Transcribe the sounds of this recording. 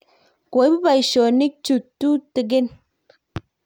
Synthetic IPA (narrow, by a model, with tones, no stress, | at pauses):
ko˨˦bi˦ba˨i˨ʃɔ˨ni˦k̚t͡ʃu˨tːu˦te˨ɡ̬e˦˨n